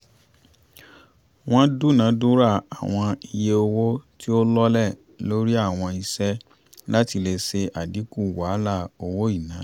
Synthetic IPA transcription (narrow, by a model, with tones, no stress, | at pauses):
w̃ɔ̃˦du˦˨nã˨˦du˦ɾa˦˨a˨w̃ɔ̃˧i˧je˧o˧wo˦ti˦o˦lɔ˦lɛ˦˨ | lo˦ɾi˦a˦˨w̃ɔ̃˧i˧sɛ˦ | la˦ti˧le˧se˧ʔa˨di˨˦ku˦˨wa˨˦la˦˨o˧wo˦i˦˨nã˨˦